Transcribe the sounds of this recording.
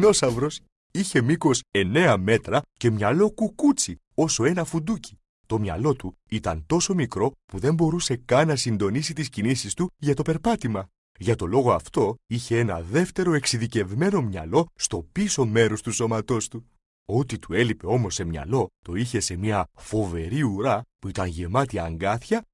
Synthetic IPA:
no̞sɐvɾo̞s | içe̞miko̞se̞ne̞ɐme̞t̪ɾɐce̞mɲɐlo̞kukut͡si | o̞so̞e̞nɐfud̪uci̥ | t̪o̞mɲɐ̰lo̞t̪u | it̪ɐ̰nt̪o̞so̞mikɾo̞puðe̞mbo̞ɾuse̞kɐnɐsind̪o̞nisit̪iscinisist̪uʝɐt̪o̞pe̞ɾpɐt̪imɐ | ʝɐt̪o̞lo̞ɣoɐft̪o̞içe̞e̞nɐðe̞ft̪e̞ɾo̞e̞ksiðice̞vme̞no̞mɲɐ̰lo̞st̪o̞piso̞me̞ɾo̞st̪uso̞mɐt̪o̞st̪u | o̞t̪it̪ue̞lipe̞o̞mo̞sːemɲɐ̰lo̞t̪o̞içe̞se̞miɐfo̞ve̞ɾiuɾɐpuit̪ɐnʝe̞mɐt̪iɐːŋɡɐθçɐ

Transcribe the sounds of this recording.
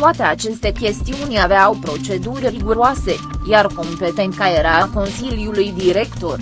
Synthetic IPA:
t̪oat̪e̞at͡ʃe̞st̪e̞kʲe̞st̪iunʲaveawpɾo̞t͡ʃe̞d̪urʲriɡuɾoase̞jarko̞mpe̞t̪e̞nt̪kajeɾaako̞nsiljulujd̪iɾe̞kt̪o̞r

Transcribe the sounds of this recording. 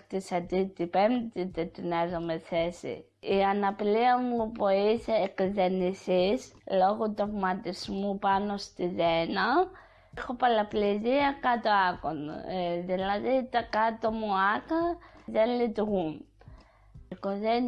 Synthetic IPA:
t̪isat̪it̪ipemt̪it̪et̪inezomeθesḭ | ianapiliamupoiseːkzenisis | loɣut̪omat̪ismupanost̪izena | xopalapleziakat̪oakon̰eðilaðit̪akat̪omuakaðenit̪uɣun | koðen

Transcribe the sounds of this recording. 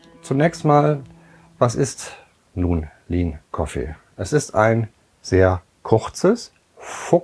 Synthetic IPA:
t͡sunɛːçstmaːl | vasɪst | nuːnliːnkʰɔfḛ | ʔɛsɪstaɪn | z̥eːɐ | kʰʊʁt͡səs | fʊ

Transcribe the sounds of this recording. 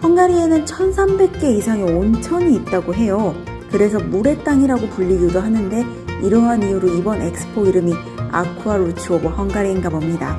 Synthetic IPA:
hʌŋɡaɾie̞nɯnt͡ɕʰʌnsʰambe̞k̚k͈e̞isʰaŋeont͡ɕʰʌɲiːt̚t͈aɡoɦe̞jo | kɯɾe̞s̬ʰʌmuɾe̞t͈aŋiɾaɡopuʎːiɡudoɦanɯnde̞ | iɾʌɦanijuɾoibʌne̞k̚s͈ɯ̥pʰoiɾɯmi | a̰kʰuaɾut͡ɕʰuobohʌŋɡaɾiːŋɡabʌmɲida̰

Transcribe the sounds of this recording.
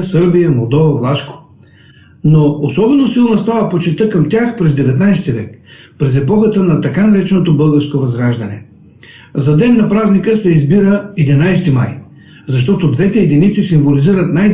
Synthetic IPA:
sɤɾbijəmolˠd̪ɔvɐvlˠaʃko̥ | noosɔbɛnosilˠnɐst̪avəpot͡ʃɛt̪ɤkɐmt̪ʲaxpɾɛzd̪ɛvɛt̪najst̪ivɛkpɾɛzɛpɔxət̪ənɐt̪ɐkanɐɾɛt͡ʃɛnot̪obɤlˠɡəɾskovɐzɾaʒd̪ɐnɛ̰ | zɐd̪ɛnːɐpɾaznikəsɛizbiɾəɛd̪inajst̪ima̰j | zɐʃ̬t̪ɔt̪od̪vɛt̪ɛɛd̪init̪sisimvoliziɾət̪naj

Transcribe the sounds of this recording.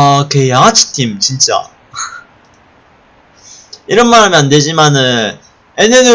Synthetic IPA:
kejaŋɦat͡ɕʰi̥tʰimt͡ɕint͡ɕ͈a̰ | iɾʌnmaɾamjʌnːe̞d͡ʑimanɯn | enenu

